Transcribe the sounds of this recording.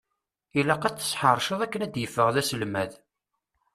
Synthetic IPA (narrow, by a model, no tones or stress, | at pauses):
ilæqæt͡sːə̥sˤħəɾˤʃəðˤækːənæd̪jəfːəʁðæsəlmæð